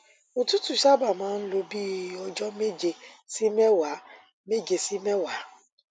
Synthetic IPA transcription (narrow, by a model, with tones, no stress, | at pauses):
o˨tu˦tu˨ʃa˦ba˨mãː˨˦n̩˦lo˦bi˦˨˦ɔ˨d͡ʒɔ˦me˦d͡ʒe˨si˦me˦wa˨˦ | me˦d͡ʒe˨si˦me˦wa˨˦